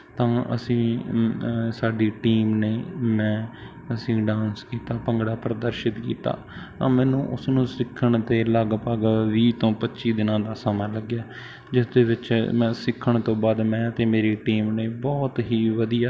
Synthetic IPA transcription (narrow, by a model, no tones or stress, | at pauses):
t̪ãːə̰sĩː | saːɖiːʈiːmneːmɛ̃ː | əsĩːɖãːnskiːt̪aːpəŋɡɽaːpɾəd̪əɾʃɪt̪kḭːt̪a̰ː | t̪ã̰ːmɛ̃ːnũːʔʊsnũːsɪkʰːəɳt̪eːlaːɡpaːɡʋiːt̪õːpətːʃiːd̪ɪnãːd̪aːsamãːləɡjaː | d͡ʒɪsd̪eːʋɪt͡ʃmɛ̃ːsɪkʰːəɳt̪õːbaːd̪mɛ̃ːt̪eːmeːɾiːʈiːmneːbɔːt̪ɦiːʋəd̪ijaː